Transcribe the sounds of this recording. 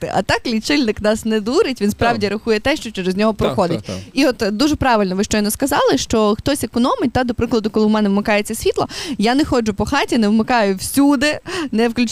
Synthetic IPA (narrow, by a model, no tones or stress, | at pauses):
ɪ̰ʔɐ̰t̪ɑklʲit͡ʃɪlʲnɪknɑsnɛd̪uɾɪtʲʋʲinspɾɑwdʲiɾɐxujɛt̪ɛʃt͡ʃɔt͡ʃɛɾezʲnʲɔɦɔpɾɔxɔd̪ɪtʲiɔt̪d̪uʒɛpɾɑʋɪlʲnɔʋɪʃt͡ʃɔjnɔskɐzɑlˠɪʃt͡ʃɔxt̪ɔsʲekɔnɔmɪt̚ʲt̪ad̪ɔpɾɪklˠɐd̪ʊkɔlˠɪmɛnɛʋmɪkɑjet͡sʲːɐsʲʋʲit̪lˠɐjanɛxɔd͡ʒʊpɔxɑtʲinɛʋmekɑjʊwsʲud̪ɪnɛwklʲʉt͡ʃ